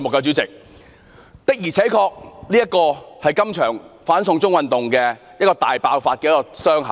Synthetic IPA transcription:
i˧mʊ˨kːɛ˧t͡syː˨˥t͡sɪ˨k̚ | t̪ɪ˨k̚jiː˨˩t͡sʰɛː˨˥kʰɔː˧k̚niː˥jɐ˥t̚kːɔː˧hɐ˨jkɐ˥mt͡ʃʰœː˨˩ŋfaː˨˥nsʊ˧ŋt͡sʊ˥ŋwɐ˨nt̪ʊ˨ŋkɛː˧jɐ˥kːɔː˧t̪a̰ː˨jpaː˧wfaː˧t̚kɛː˧jɛ˥kɔː˧sœː˥ŋɦɐ˨˦

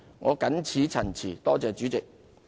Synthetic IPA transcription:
ŋɔː˨˧kɐ˨˥nt͡sʰiː˨˥t͡sʰɐ˨˩nt͡sʰiː˨˩t̪ɔː˥t͡sɛː˨˧t͡ʃyː˨˥t͡sɪ˨k̚

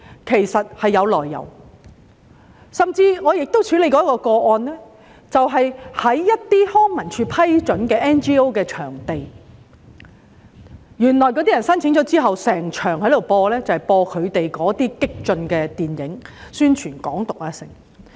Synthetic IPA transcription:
kʰe˨˩jsɐ˨t̚hɐ˨jːɐ˨˧wlɔː˨jːɐ̰˨˩w | sɐ˨mt͡siː˧ŋɔː˨˧jɪ˨k̚t̪o˥wt͡ʃʰy˨˥le˨˧jkɔː˨˥kːɔː˧kɔː˧ʔɔː˧nlɛː˥ | t͡sɐ˨wɦɐ˨jhɐ˨˥jːɐ˥t̚t̪iː˥hɔː˥ŋmɐ˨˩nt͡ʃʰyː˧pʰɐ˥jt͡ʃɵ˨˥nkɛː˧ʔɛː˥nt͡ʃiː˥o˥wkɛː˧t͡ʃʰœː˨˩ŋt̪e˨j | jyː˨˩nlɔː˨˩jkɔː˧˥iː˥jɐ˨˩nsɐ˥nt͡sʰɪ˨˥ŋt͡ʃɔː˨˥t͡siː˥ɦɐ˨wsɛː˨˩ŋt͡ʃʰœː˨˩ŋhɐ˨˧˥jt̪o˨˩wpɔː˧lɛː˥t͡sɐ˨whɐ˨˩jpɔː˧kʰɵ˨˧ɥt̪e˨jkɔː˨˥t̪iː˥kɪ˥k̚t͡ʃɵ˧nkɛː˧t̪iː˨njɪ˨˥ŋsyː˥nt͡ʃʰyː˨˩nkɔ̰ː˨˥ŋt̪ʊ˨k̚aː˧sɪ̰˨˩ŋ

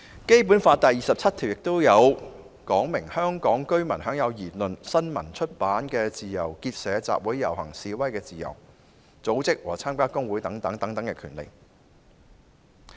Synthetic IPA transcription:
ke˥jp̬uː˨˥nfaː˧t̪ɐ˨jiː˨˩sɐ˨p̚t͡sʰɐ˥t̪̚ʰi˨˩wjɪ˨k̚t̪o˥wjɐ˨˧w | kɔː˨˥ŋmɪ˨˩ŋhœː˥ŋkɔː˨˥ŋkɵ˥ɥmɐ̰˨˩nhœː˨˥ŋjɐ˨˧wjiː˨˩t̚lɵ˨nsɐ˥nmɐ̰˨˩nt͡ʃʰɵ˥t̚paː˨˥nkɛː˧t͡siː˨jɐ˨˩wkiː˧t̚sɛː˨˧t͡sa̰ː˨p̚wuː˨˥jːɐ̰˨˩whɐ̰˨˩ŋsiː˨˧wɐ˥jkɛː˧t͡siː˨jɐ̰˨˩w | t͡so˨˥wt͡sɪ˥k̚wɔ̰ː˨˩t͡sʰaː˥mkaː˥kʊ˥ŋwuː˨˥jt̪ɐ˨˥ŋt̪ɐ˨˥ŋt̪ɐ˨˥ŋt̪ɐ˨˥ŋkɛ˧kʰyː˨˩nlḛ˨˩j

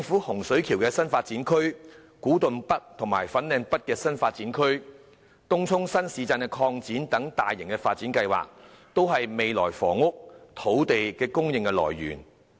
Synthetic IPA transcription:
t͡sɪ˧ŋfuː˨˥hʊ˨˩ŋsɵ˨˥ɥkʰi˨˩wkɛː˧sɐ˥nfaː˧t̚t͡siː˨˥nkʰɵ˥ɥ | kuː˨˥t̪ɵ˨npɐ˥t̚t̪ʰʊ˨˩ŋmaː˨˩jfɐ˨˥nlɛː˨˧ŋpɐ˥t̚kɛː˧sɐ˥nfaː˧t̚t͡siː˨˥nkʰɵ˥ɥ | t̪ʊ˥ŋt͡sʰʊ˥ŋsɐ˥nsiː˨˧t͡saː˧nkɛ˧kʰɔː˧ŋt͡siː˨˥nt̪ɐ˨˥ŋt̪aː˨jːɪ˨˩ŋkɛː˧faː˧t̚t͡siː˨˥nkɐ˧jwa̰ː˨k̚t̪o˥wɦɐ˨jme˨jlɔː˨˩jfɔ̰ː˨˩ŋʊ˥k̚t̪ʰo˨˥wt̪e˨jkɛː˧kʊ˥ŋjɪ˨ŋkɛ˧lɔ̰ː˨˩jːy̰ː˨˩n

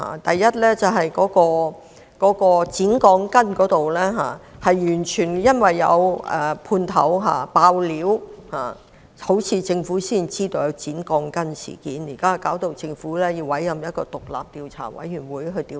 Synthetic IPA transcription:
a̰ː˨˩t̪ɐ˨jːɐ˥t̚lɛː˥t͡sɐ˨˩wɦɐ˨jkɔː˨˥kɔː˧ | kɔː˨˥kɔː˧t͡siː˨˥nkɔː˧ŋkɐ˥nkɔː˨˥t̪o˨wlɛː˥ɦa̰ː˨˩hɐ˨jjyː˨˩nt͡ʃʰyː˨˩njɐ˥nwɐ˨jːɐ̰˨˧wɛ̰ː˨˩pʰuː˧nt̪ʰɐ̰˨˥wɦa̰ː˨paː˧wliː˨˥whaː˨˩ | ho˨˥wt͡sʰiː˨˧t͡sɪ˧ŋfuː˨˥siː˥nt͡siː˥t̪o˧wjɐ˨˧wt͡siː˨˥nkɔː˧ŋkɐ˥nsḭ˨˩kiː˨˥nji˨˩kaː˥kaː˨˥wt̪o˨˧wt͡sɪ˧ŋfuː˨˥lɛː˥ji˧wɐ˨˥jːɐ˨mjɐ˥t̚kɔː˧t̪ʊ˨k̚la̰ː˨p̚t̪iː˧wt͡sʰa̰ː˨˩wɐ̰˨˥jjy˨˩nwuː˨˧jɦɵ˧t̪iː˧

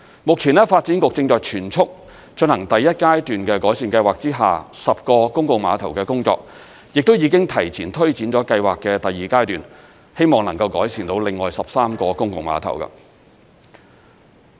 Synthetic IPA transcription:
mʊ˨k̚t͡sʰiː˨˩nɛ˥faː˧t̚t͡siː˨˥nkʊ˨k̚t͡sɪ˧ŋt͡sɔː˨jt͡ʃʰyː˨˩nt͡sʰʊ˥k̚ | t͡ʃɵ˧nhɐ˨˩ŋt̪ɐ˨˩jɐ˥t̚kaː˥jt̪yː˨nkɛ˧kɔː˨˥jsiː˨˧nkɐ˧jwaː˨k̚t͡siː˥ɦa̰ː˨sɐ˨p̚kɔː˧kʊ˥ŋkʊ˨˧ŋma̰ː˨˧t̪ʰɐ˨˩wkɛː˧kʊ˥ŋt͡sɔ̰ː˧k̚ | jɪ˨k̚t̪o˥wjiː˨˧kɪ˥ŋt̪ʰɐ˨˩jt͡sʰiː˨˩nt̪ʰɵ˥ɥt͡siː˨˥nt͡ʃɔː˨˥kɐ˧jwaː˨kːɛː˧t̪ɐ˨jːiː˨˩kaː˥jt̪yː˨n | he˥jmɔː˨˩ŋnɐ˨˩ŋkɐ˧wkɔː˨˥jsiː˨˩nt̪o˨˥wlɪ˨ŋːɔː˨jsɐ˨p̚saː˥mkɔː˧kʊ˥ŋkʊ˨˧ŋma̰ː˨˧t̪ʰɐ̰˨˩wkɐ̰˧

